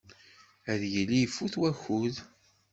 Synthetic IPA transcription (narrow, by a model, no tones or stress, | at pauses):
æðjilifːuθwæçuð